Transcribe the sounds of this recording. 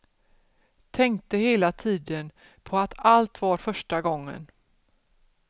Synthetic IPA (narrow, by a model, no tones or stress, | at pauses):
t̪ʰɛŋkt̪əheːlat̪ʰiːd̪ən | pʰɔat̪alt̪vaɾfœʂʈaɡɔŋːə̰n